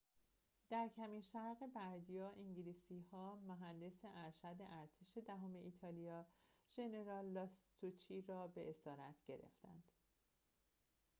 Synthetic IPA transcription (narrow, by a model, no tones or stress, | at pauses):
d̪̥æɾcʰæmiːnʃæɾɣe̞bæɾd̪ijɒːʔiɲɟiliːsiːhɒːmoɦænd̪e̞seʔæɾʃæd̪e̞ʔæɾt̪ʰeʃe̞d̪æɦome̞ʔiːt̪ʰɒːlijɒːʒ̥e̞ne̞ɾɒːlːɒst̪ut͡ʃʰiːɾɒːbe̞ʔesɒːɾæt̪ʰɟ̥e̞̰ɾḛft̪æ̰nd̪̥